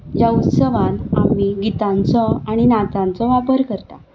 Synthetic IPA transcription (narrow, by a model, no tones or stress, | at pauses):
jaut̪səʋãnamiɡit̪ãnt͡sɔaɽ̃inat̪ãnt͡sɔʋapəɾkəɾt̪a̰